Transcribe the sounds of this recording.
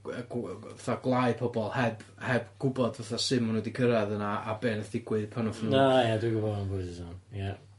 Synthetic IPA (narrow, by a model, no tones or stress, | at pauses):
ɡvaθaɡlˠaɨpʰɔbɔlˠhɛbhɛbɡ̥ʊbɔdvaθasɨmunədikʰəɾaðənaabeːnəθdɪɡwɨðpʰanɔfnunajaduɡʊbɔanbʊɨðəsɔnja